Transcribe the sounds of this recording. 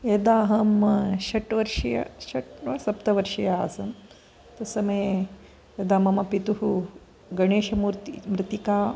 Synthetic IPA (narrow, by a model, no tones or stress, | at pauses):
ed̪aːɦɐmɐʃɐʈʋɐɾʃɐjɐ̰ʃɐʈʋɐsɐpt̪ɐʋɐɾʃɐjaːsɐn | t̪ɐsɐmɐj | ed̪aːmɐmɐpit̪uɦu | ɡɐɳeːʃɐmuːɾt̪imɾɪt̪ikaː